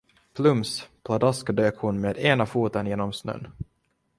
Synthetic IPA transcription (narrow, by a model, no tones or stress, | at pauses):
pʰlɵmspʰlad̪askd̪øːkhʊnmeːd̪eːnafuːt̪ənjeːnɔmsnø̰ːn